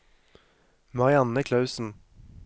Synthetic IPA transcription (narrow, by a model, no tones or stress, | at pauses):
mɑʁɪɑnəkʰlɑʉsn̩